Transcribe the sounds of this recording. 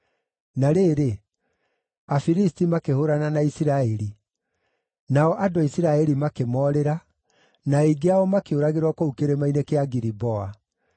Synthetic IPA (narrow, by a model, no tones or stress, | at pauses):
naɾeːɾe | afiɾistimakehoɾananaisiɾaɛɾi | naɔʔadowaisiɾaɛɾimakemɔːɾeɾa | naiɡeaɔmakeoɾaɣeɾwakoukeɾemainekeaɡiɾibɔa